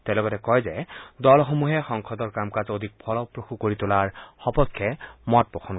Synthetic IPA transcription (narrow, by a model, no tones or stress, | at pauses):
tɛlɔɡɔtɛkɔjzɛdɔlxomuɦɛxɔŋkʰɔdɔɹkamkazod̪ʱik̚pʰɔlɔpɹoxukoɹitʊlaɹxɔpɔkʰːɛmɔt̚bɔxʰɔn